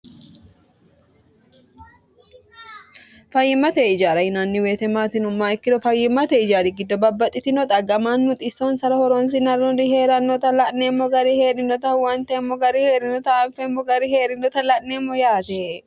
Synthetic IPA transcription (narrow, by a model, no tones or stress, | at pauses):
fɐjːɪmːɐt̪eɪd͡ʒaːɾɐjɪnaːnːɪweːt̪ɛmaːt̪ɪnʊmːaːɪkːɪd̪ɔfɐjːɪmːɐt̪ɛɪd͡ʒaːd̪ɪɡɪd̪ːɔbɐbːɐt̪ʼːɪt̪ɪnɔt̪ʼɐɡɐmaːnmʊt̪ʼɪsoːnsɐɾɐhɔɾoːns̬ɪnɐrɔdihe̞ːɾɐnːɔt̪ɐlɐʔnemːɔɡɐɾiheːᶑɪnɔt̪ɐwɐnt̪ɛmːɔɡɐɾiheːᶑɪnɔt̪ɐɐmfɛmːɔɡɐɾiheːɾɪnɔt̪ɐlɐʔneːmːɔjaːt̪ɛ